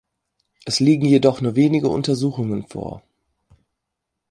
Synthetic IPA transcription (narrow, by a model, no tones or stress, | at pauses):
ʔɛsliːɡŋ̩jedɔχnuːɐveːnɪɡəʔʊ̰ntɐzuːxʊŋənfo̰ːɐ